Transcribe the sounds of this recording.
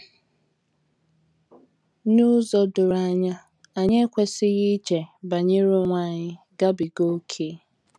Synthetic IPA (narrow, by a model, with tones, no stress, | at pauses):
nu˦zɔ˨dʊ˨ɾa˦˨ɲa˦ | a˨ɲe˦kʷe˦sɪ˦ɣi˦t͡ʃe˨ba˨ɲɪ˦ɾʊ˦ŋʷa˦˨ɲɪ˦ | ɡa˦bi˨ɡo˦kʰe˦